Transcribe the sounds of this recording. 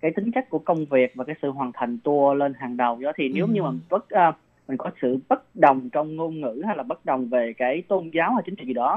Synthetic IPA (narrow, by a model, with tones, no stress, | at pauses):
kaː˨˦jt̪ï˨˦ŋ̟t͡ɕa˦˥jk̚ku˧˩əkə˧wŋ͡mvi˨˩ək̚vaː˨˩kaː˨˦jsɨ̰˧˨ɦwaː˨˩nt̪ʰa˨˩jŋ̟t̪u˧əle˧nɦaː˨˩ŋɗə˨˩wɗɔ˨˦t̪ʰi˨˩ne˨˦wɲɨ˧maː˨˩˨nvə˦˥t̚ʔəː˧ | mmï˨˩ŋ̟kɔ˨˦sɨ̰˧˨ɓə˦˥t̚ɗə˨˩wŋ͡mt͡ɕɔ˧wŋ͡mŋo˧nŋɨ̰˧˥ha˧jlaː˨˩ɓə˦˥t̚ɗə˨˩wŋ͡mve˨˩kaː˨˦jt̪o˧nzaː˨˦wha˧˩t͡ɕï˨˦ŋt͡ɕḭ˧˨zɗɔ˨˦